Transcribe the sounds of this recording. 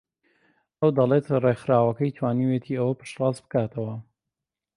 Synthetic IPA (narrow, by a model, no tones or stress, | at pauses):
ɐwd̪ɐlˠet̪rexɾaːwɐkɐjt̪ʰwaːniwet̪ʰiɐwɐpɨ̥ʃrɑːzbɨ̥kaːt̪ʰɐwɐ